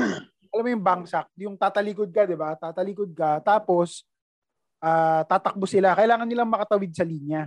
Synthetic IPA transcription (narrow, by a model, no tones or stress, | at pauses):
ʔɐlamːojʊŋbaŋsak̚jʊŋt̪aːt̪ɐlikod̪̚kɐd̪ɪbat̪aːt̪ɐliːkod̪̚kɐt̪aːpo̞s | ʔaːt̪aːt̪ɐk̚bosɪlakɐʔɪlaːŋɐnːɪlaŋmɐkɐt̪ɐwɪd̪̚sɐliːnja